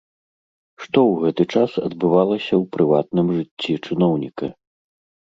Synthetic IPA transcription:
ʂt̪ɔwɣɛt̪ɨt͡ʂasɐ̰d̪bɨvalˠɐsʲɐwpɾɨvat̪nɨmʐɨt͡sʲːit͡ʂɨnɔwnʲikɐ̰

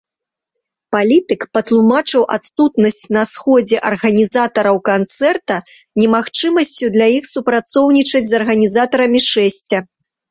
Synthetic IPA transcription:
palʲit̪ɨkpɐt̪lˠumat͡ʂɨwʔa̰t̪st̪ut̪nɐsʲt͡sʲnɐsxɔd͡zʲɛʔɐrɣɐnʲizat̪ɐɾɐwkant̪sɛrt̪ɐ | nʲɛmaxt͡ʂɨmɐsʲt͡sʲud̪lʲajixsupɾat̪sɔwnʲit͡ʂɐd͡zʲzɐrɣɐnʲizat̪ɐɾɐmʲiʂɛsʲt͡sʲɐ

